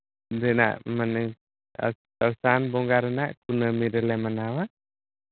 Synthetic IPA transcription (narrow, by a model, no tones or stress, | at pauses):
ɾɛna̰ʔmanɛ | a̰ | awsanbɔŋɡaɾɛnaʔkunəmiɾɛlɛmanawa